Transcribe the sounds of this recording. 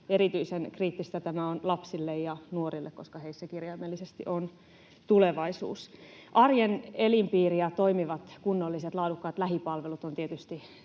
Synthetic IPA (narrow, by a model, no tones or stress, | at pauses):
eɾit̪yisenkriːt̪ːist̪æt̪æmæonlɑpsilːejjɑnuorilːḛkkoskɑheisːækirjɑmːelːisest̪ḭʔon | t̪uleʋɑisṵːsʔɑrjenelimpiːriɑt̪oimiʋɑt̪kunːolːiset̪lɑːdukːɑːt̪læɦipɑlʋelut̪ont̪iet̪yst̪i